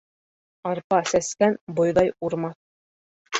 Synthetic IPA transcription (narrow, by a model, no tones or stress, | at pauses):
ɑɾpɑsæskænbŏjðɑjuɾmɑθ